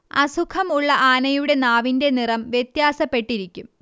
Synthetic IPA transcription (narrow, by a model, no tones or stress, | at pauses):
ɐsukʰɐmuɭːɐʔaːnɐjuɽe̞naːʋinde̞nirɐmʋjet̪jaːsɐpːe̞ʈːiɾikʲːum